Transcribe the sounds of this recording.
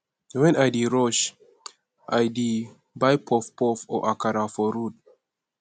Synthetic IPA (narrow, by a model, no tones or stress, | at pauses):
wɛ̃najdiɹɔʃ | ʔajdi | bajpʰɔfpɔfɔ̰ʔakaɾafɔɾud̚